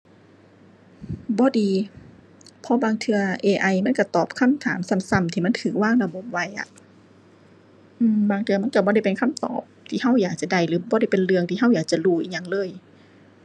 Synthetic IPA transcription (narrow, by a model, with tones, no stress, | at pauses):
bɔː˧˦diː˨˧ | pʰɔː˧˥baː˧ŋt̪ʰɯ˧ɐʔeː˧ʔa˧jma˧˥˨ka˧˩t̪ɔː˨˩p̚kʰa˧˥˨mt̪ʰaː˨˦msa˧˩˨msa˧˩˨mt̪ʰiː˧ma˧˥˨t̪ʰɯː˨˩k̚waː˥˨ŋla˧bo˧˦p̚wa˧˩jʔa̰˨ | ʔɯː˧˩mbaː˧˩ŋt̪ʰɯ˧ɐma˧˥˨nka˧˩bɔː˧ɾa˧˩jpe˨nkʰa˧˥˨mt̪ɔ̰ː˨˩p̚t̪ʰiː˧˨ɦa˧˥˨wjaː˨˩k̚t͡ɕa˨˧˩da˧˩jlɯː˨˦bɔː˧ɾa˧˩jpe˨nlɯ˧əŋt̪ʰiː˧˨a˧˥˨wjaː˨˩k̚t͡ɕa˨˧˨luː˧˩ʔḭː˧˩ɲa˧˨ŋlɤː˧˥˩j